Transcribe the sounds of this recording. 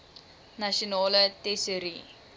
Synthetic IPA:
nɐʃionɑːlətɛsəɾḭ

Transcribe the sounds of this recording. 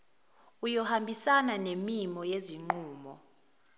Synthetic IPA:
ujɔhambʱisananemimɔjeziŋ͡ǃuːmɔ̰

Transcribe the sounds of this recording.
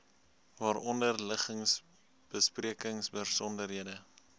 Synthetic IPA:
vɑːɾɔndərləχəŋs | b̥əspriəkəŋsbərsɔndərɦiədə

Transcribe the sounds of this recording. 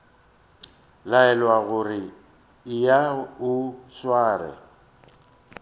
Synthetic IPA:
laɛlwaɣʊrɪ | ɪjaʊswaːrɛ̰

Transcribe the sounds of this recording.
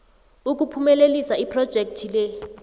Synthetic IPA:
uk̬ʼupʰumɛlelisaipʰrɔd̥ʒ̥ʱek̚tʰilɛ

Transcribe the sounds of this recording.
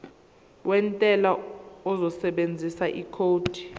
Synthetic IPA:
wʔɛntʼɛlaɔzɔsɛɓend͡zʱisaʔikʰoːd̥ʱi̥

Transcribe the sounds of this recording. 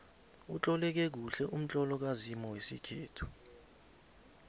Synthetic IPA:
ut͡ɬʼɔlɛk̬ɛk̬uɬɛʔum̩t͡ɬʼɔlɔk̬azimɔwesikʰeːtʰu̥

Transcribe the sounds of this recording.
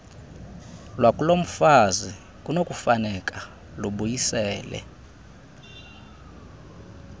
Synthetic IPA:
lwakʼulom̩fazi | kʼunokʼufanɛkʼa | luɓujisɛːlɛ̰

